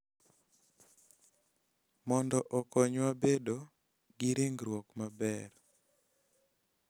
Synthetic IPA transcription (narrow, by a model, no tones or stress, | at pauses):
mɔndɔʔɔkɔɲwabedo | ɡiɾɪŋɡɾwɔkmabɛr